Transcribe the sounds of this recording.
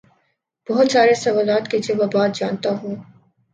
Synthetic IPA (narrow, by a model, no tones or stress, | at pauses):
b̥ɔɦʊt̪saːɾesɐʋaːlaːt̪kid͡ʒeʋabaːt̪̚d͡ʒaːnt̪aɦũː